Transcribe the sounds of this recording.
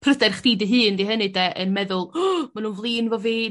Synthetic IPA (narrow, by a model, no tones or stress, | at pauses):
pʰrədɛrχd̥iːdiɦɨːndiɦənɨdɛʔənmɛðʊlˠmanuːnvlˠiːnvɔveː